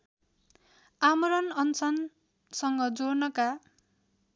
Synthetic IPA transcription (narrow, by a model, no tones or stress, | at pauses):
amʌɾʌnʌnt͡sʰʌn | sʌŋɡʌd͡zornʌka